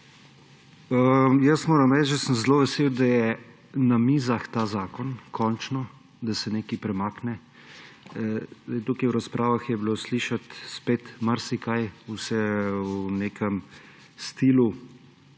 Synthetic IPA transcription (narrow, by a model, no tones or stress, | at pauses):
əjəsmoːɾɐmɾɛt͡ʃd͡ʒɛsəmzloːʋɛsewd̪ajɛ | namiːzaxt̪aːzaːkɔnkʰɔnt͡ʃnɔ | d̪asɛnekipɾɛmaːknɛ | jt̪ukiwɾaspɾʔaːʋaxjɛbilosliʃat̪speːt̪maɾsikajusɛwuneːkəm | st̪ilu